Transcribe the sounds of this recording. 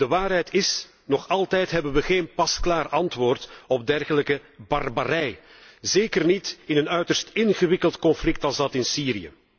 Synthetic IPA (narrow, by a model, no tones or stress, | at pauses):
dəʋaːrɦɛjtɪs | nɔχɑlˠtɛjtɦɛbənʋəɣeːnpɑsklaːrɑntʋoːrtɔb̚dɛrɣələkəbɑrbaɾɛj | zeːkərnitɪnənœɥtərstɪnɣəʋɪkəlˠtkɔnflɪk̚tɑlˠzdɑtɪnsiːɾijə̰